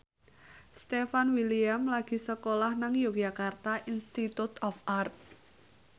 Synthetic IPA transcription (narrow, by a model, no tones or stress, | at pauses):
st̪efanwiliamlaɡ̥i̤səkolahnaŋjoɡ̥ʒ̥akart̪aʔinst̪it̪ut̪ɔfart̪̚